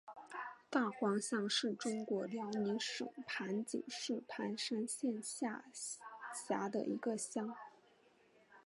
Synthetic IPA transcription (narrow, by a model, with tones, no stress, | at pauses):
t̪a˥˩xwɑ˧˥ŋɕjɑ˥˧ŋʂɻ̩˥˩ʈ͡ʂʊ˥ŋkwɔ˧˥ljɑ˧˥ŋni˧˥ʂɤ̰˨˩ŋpʰa˧˥nt͡ɕḭ˨˩ŋʂɻ̩˥˩pʰa˧˥nʂa˥nɕjɛ˥˧nɕja˥˩ | ɕja˧˥d̪ə̰˧˨ʔḭ˧˥ɡə˧ɕjɑ˥ŋ